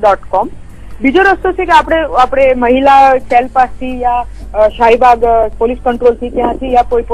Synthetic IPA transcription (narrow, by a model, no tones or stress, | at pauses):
ɖɔʈkɔm | bid͡ʒoɾəst̪ot͡ʃʰekeapɽ̃eapɽ̃eməɦilat͡ʃɛlpast̪ijaʃajbaɡpoliskəɳʈɾolt̪ʰit̪jãt̪ʰijapojp